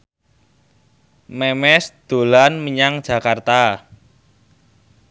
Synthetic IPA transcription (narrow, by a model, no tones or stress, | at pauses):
mɛmɛsd̪̥o̤lanməɲaŋ̥d͡ʒ̥ä̤kart̪a